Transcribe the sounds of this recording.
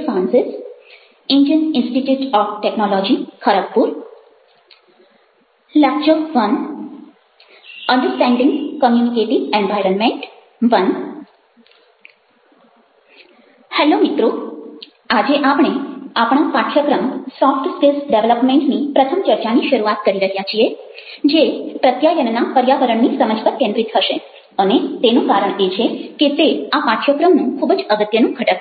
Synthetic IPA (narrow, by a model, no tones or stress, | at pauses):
sãnsɪs | iɲd͡ʒəninsʈiʈjuːʈɔːfʈeknɔlɔd͡ʑikʰəɾəkpuːɾ | lak̚t͡ʃɔkʋən | əɳɖəɾsʈæ̃ɳɖĩŋɡkəmjunikeʈiẽnʋajɾənmẽɳʈ | ʋən | hɛlomit̪ɾu | ad͡ʒeʔapɳ̃eapɽ̃apaʈʰjəkɾəmsɔfʈspelsɖeʋləpmeɳʈnipɾət̪ʰəmt͡ʃəɾt͡ʃaniʃəɾuat̪kəɾiɾəɦjat͡ʃʰied͡ʒepɾət̪jajənnapəɾjaʋəɾəɳnisəməd͡ʒpəɾkɛ̃ɳɖɾit̪ʰəʃe | ənet̪enũkaɾəɳet͡ʃʰeket̪eapaʈʰjəkɾəmnũkʰubd͡ʒəɡət̪jənũɡʱəʈək